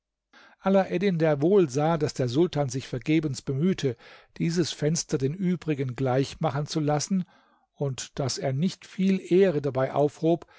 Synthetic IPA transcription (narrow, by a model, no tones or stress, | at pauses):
ʔalaʔɛdɪndeːɐvoːlzaːdasd̥eːɐzʊltaːnzɪçfɛɐɡeːbənsb̥əmyːtʰəd̥iːzəsfɛnstɐdeːnʔyːbʁɪɡənɡlaɪçmaχənt͡sulasn̩ | ʊntd̥aseːɐnɪçtfiːlʔeːʁədabaɪʔa̰ʊfhoːp